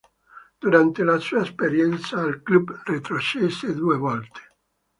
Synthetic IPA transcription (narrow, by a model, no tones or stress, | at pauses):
d̪̥uɾant̪elasuːaespeɾjɛnt̪sailklubrit̪ɾot͡ʃesed̪uːevɔlt̪e̥